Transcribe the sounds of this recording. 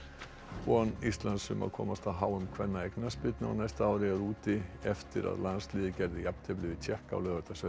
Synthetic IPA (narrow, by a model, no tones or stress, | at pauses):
ɔnist̪lansʏmʔa̰kʰɔ̰mast̪ʰaɦawəmkʰvɛnːaɛknaspʏt̪na̰nɛst̪awɾɪaɾuːt̪ɪɛft̪ɪɾa̰ðlansliːðkɛɾðɪjap̚t̪ʰɪblɪːvɪt͡ɕʰɛhka̰wlœːvat̪asɛ